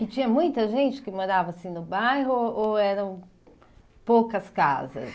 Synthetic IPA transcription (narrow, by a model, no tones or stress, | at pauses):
ɪt͡ʃĩɲɐmũj̃t̪ɐʒẽnt͡ʃɪ̥kɪmoɾavɐasĩnʊbajɦʊoɛɾɐ̃w̃ | powkɐska̰zɐ̰s